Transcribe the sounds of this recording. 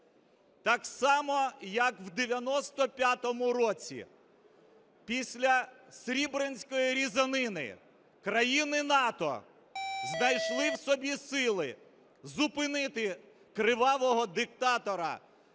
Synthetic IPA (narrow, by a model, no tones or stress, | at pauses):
t̪ɑksɑmɔjɐkwd̪eʋʲjɐnɔst̪ɔpʲjat̪ɔmʊɾɔt͡sʲḭ | pʲisʲlʲɐsʲɾʲibɾenʲsʲkɔjiɾʲizɐnɪnɪ̰ | kɾɐjinɪnɑt̪ɔ̰ | znɐjʃlˠɪwsɔbʲisɪlˠɪ | zʊpɪnɪt̪ɪ | kɾɪʋɑʋɔɦɔd̪ɪk̚t̪ɑt̪ɔɾɐ̰